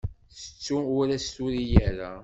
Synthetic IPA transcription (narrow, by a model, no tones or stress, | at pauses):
θə̥t͡sːuʊɾæst̪uɾijæɾa